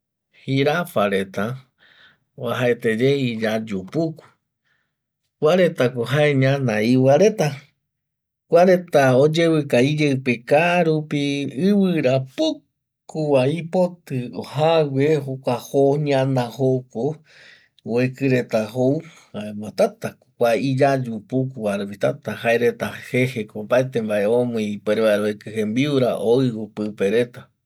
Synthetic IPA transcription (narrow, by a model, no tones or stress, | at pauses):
hiɾafaɾet̪a | waɦaet̪ed͡ʒeid͡ʒad͡ʒupuku̥ | kʷaɾe̞t̪akoɦaeɲãnãiwaɾe̞t̪a | kʷaɾe̞t̪aod͡ʒewɨkaid͡ʒeɨpekaɾupiɨwɨɾapu | kuwaipot̪ɨohawʷehokʷahoɲãnãhoko | ekɨɾe̞t̪aɦow | haemot̪at̪akkʷaid͡ʒad͡ʒupukuβaɾupit̪at̪aɦaeɾe̞t̪ahehekobaet̪ẽmbaʔeõmũĩpeɾeβaeɾoekɨhembiuɾa̰ʔoiopɨpeɾe̞t̪a